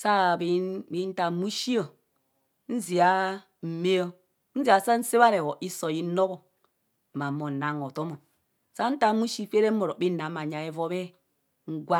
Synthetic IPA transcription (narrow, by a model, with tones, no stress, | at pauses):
sa˦˨bi˨˦bi˨˦n̩˦ta˨mu˦ʃi˦o˨ | n̩˦zi˨a˦ | m̩˨me˦o˦ | n̩˦zi˨a˨sa˦n̩˦se˦βa˦ɾe˨wo˨ʔi˦so˨ji˨˦no˦ɣo˨ | ma˨mo˨na˨ŋo˨to˦mo˨ | sa˦n̩˦ta˦mu˦ʃi˦fe˦ɾe˦mo˨ɾo˨bi˦na˨˦ma˨ɲa˨e˦vo˦be˦ | ŋ̩˦ɡwa˦